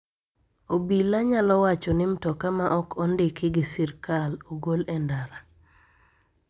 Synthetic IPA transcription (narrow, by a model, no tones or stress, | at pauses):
obilaɲalɔwat͡ʃɔnɪmtɔkamaʔɔkʰɔndɪkɪɡɪsiɾkaloɡolɛndaɾa